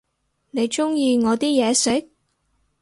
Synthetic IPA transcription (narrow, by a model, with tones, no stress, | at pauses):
ne˨˧jt͡ʃʊ˥ŋjiː˧ŋɔː˨˧t̪iː˥jɛː˨˧sɪ˨˥k̚